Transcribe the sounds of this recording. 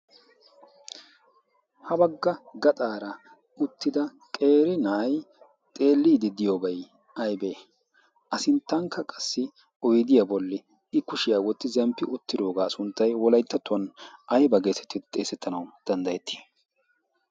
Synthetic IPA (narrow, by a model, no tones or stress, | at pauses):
hɐbɐɡːɐɡɐt̪ʼaːɾɐ | ʊt̪ːɪd̪ɐ | kʼe̞ːɾɪnɐj | t̪ʼe̞ːlːiːd̪ɪd̪ɪjoːbɐj | ɐjbeː | ʔɐsɪnt̪ːɐŋkʰːɐkʼɐsːɪ | ɔjd̪ɪjɐbɔlːɪ | ɪkʊʃɪjaːwɔt̪ːɪzɛmpːɪʔʊt̪ːɪd̪o̞ːɡaːsʊnt̪ːɐjwɔlɐjt̪ːɐt̪ːʊɐnɐjbɐɡeːsɛt̪ːɪt̪ʼeːsɛt̪ʰːɐnɐwd̪̥ɐnd̪ɐjɛt̪ʰːɪ̥